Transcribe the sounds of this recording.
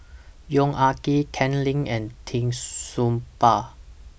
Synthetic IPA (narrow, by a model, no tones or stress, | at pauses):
jɔŋʔakikʰɛ̃nlĩŋɛ̃ntʰĩŋsumpa